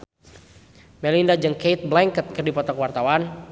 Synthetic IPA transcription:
mɛlindad͡ʒɨŋkejt̪̚blɛŋkət̪̚kɨrdipɔt̪ɔkwart̪awan

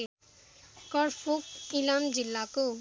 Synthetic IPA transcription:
kʌrpʰokilamd͡zilːako

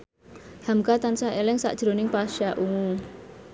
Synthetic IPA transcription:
hamkat̪ansaelɪŋsa̰ʔd̥ʒ̥ɾo̤nɪŋpaʃaʔuŋu

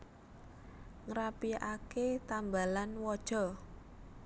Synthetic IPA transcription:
ŋɾapiʔaket̪ambalanwɔd̥ʒ̥ɔ̤

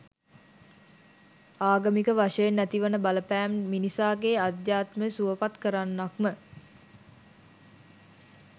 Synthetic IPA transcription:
aːɡəmikəʋaʂəjenːæt̪iʋənəbaləpæːmːinisaːɡeːad̪jaːt̪məəsuʋəpat̪kəɾanːakmə

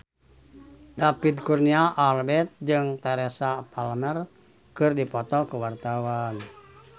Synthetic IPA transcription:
dapid̪̚kurniaʔalbɛt̪̚d͡ʒɨŋt̪aɾɛsapalmɛr | kɨrdipɔt̪ɔkuwart̪awan

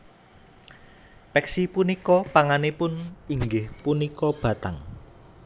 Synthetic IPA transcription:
pɛksipunikɔpaŋanepʊniŋɡɪhpunikɔb̥ä̤t̪aŋ

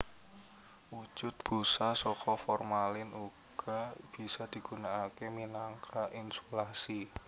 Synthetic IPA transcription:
wu̥d͡ʒ̥ʊt̪̚b̥usasɔkʰɔfɔrmalɪnuɡ̥ɔ̤b̥i̤sad̪̥i̤ɡ̥unaakeminaŋkʰaʔinsolasi

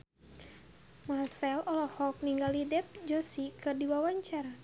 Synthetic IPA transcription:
marsɛlɔlɔhɔk̚niŋɡalidɛp̚d͡ʒɔsikɨrdiwawaɲt͡ʃara

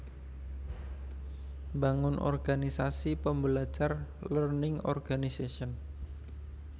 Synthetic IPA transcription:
mbaŋʊnʔɔ̰rɡ̥anisasipəmbəlat͡ʃarlərnɪŋɔ̰rɡ̥anisesiən

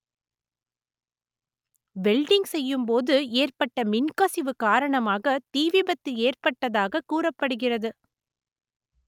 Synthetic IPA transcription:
bɛlɖɪŋɡsɛjːɯmpoːðɯeːrpɐʈːɐmɪnkɐsɪʋɯkaːɾɐɳɐmaːɣɐt̪iːʋɪbɐt̪ːɪeːrpɐʈːɐðaːɣɐkuːrɐpːɐɽɯɣɪrɐðɯ

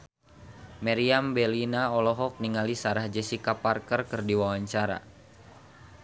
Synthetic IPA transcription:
mɛɾiambɛlinaɔlɔɦɔk̚niŋalisaɾahd͡ʒɛsikaparkərkɨrdiwawaɲt͡ʃaɾa̰

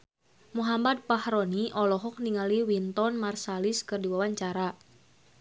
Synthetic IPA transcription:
muɦamad̪̚pahɾɔniʔɔlɔɦɔk̚niŋaliwint̪ɔnmarsalɪskɨrdiwawaɲt͡ʃaɾa

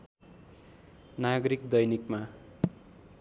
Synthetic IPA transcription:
naɡʌɾikd̪ʌjnikma

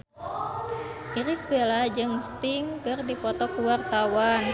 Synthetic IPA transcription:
ʔiɾisbelad͡ʒɨŋst̪iŋkɨrdipɔt̪ɔkuwart̪awan

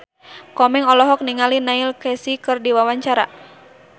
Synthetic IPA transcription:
kɔmɛŋɔlɔɦɔk̚niŋalinailkɛsikɨrdiwawaɲt͡ʃaɾa

